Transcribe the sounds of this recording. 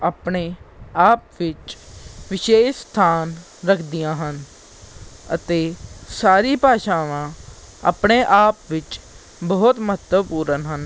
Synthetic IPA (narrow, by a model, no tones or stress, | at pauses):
əːpɳeːaːp̚ʋɪt͡ʃʋɪʃeːʃst̪ʰaːn | ɾəkʰd̪ijãːɦən | ə̰t̪eːsaːɾiːpaːʃaːʋãː | a̰ːpɳeːʔaːpʋɪt͡ʃ | bəːt̪məɦət̪ːəʋpuːɾənɦən